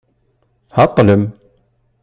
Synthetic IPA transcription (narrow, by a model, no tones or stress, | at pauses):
hat̪ːalem